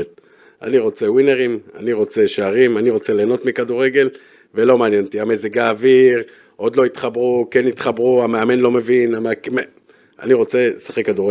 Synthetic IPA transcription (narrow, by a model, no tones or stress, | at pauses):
t | a̰niʁo̞t͡se̞wineʁima̰niʁo̞t͡se̞ʃaaʁimaniʁo̞t͡se̞le̞ːno̞t̪mikaduʁeɡe̞l | ve̞lo̞maːnjent̪iameziɡaːviʁ | ʔo̞d̪lo̞it̪χabʁukenit̪χabʁuameame̞nlo̞me̞vinamkm | a̰niʁo̞t͡se̞saχekːaduʁe